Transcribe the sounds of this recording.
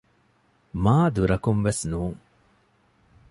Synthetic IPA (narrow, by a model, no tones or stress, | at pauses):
maːd̪uɾɐkumʋesnuːŋ